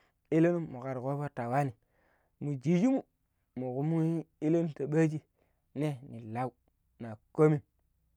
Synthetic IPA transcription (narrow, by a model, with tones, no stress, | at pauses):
i˦le˦nu˦mu˨ka˨ɾko˦bo˦ta˨wa˦ni˨ | mu˨d͡ʒi˨d͡ʒi˦mu˦ | mu˨ku˨mu˦i˦i˦le˦nu˦ta˨ɓa˦d͡ʒi˦ | ne˦ni˨la˦u˦ | na˨ko˦mi˨n